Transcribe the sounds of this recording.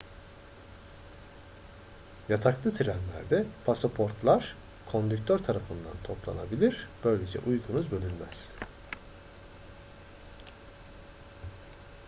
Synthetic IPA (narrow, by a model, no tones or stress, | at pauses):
jat̪ʰaklˠɯt̪ʰiɾænlʲæ̰ɾd̪ɛpʰasapʰo̞ɾt̪lˠaɾ̥ | kʰo̞nd̪yk̚t̪ʰøɾt̪ʰaɾafɯnd̪a̰nt̪ʰo̞plˠa̰nabilʲiɾ̥b̥ø̞jlʲed͡ʒɛ̰ʔujɡunuzbø̞lʲynmæ̰z̥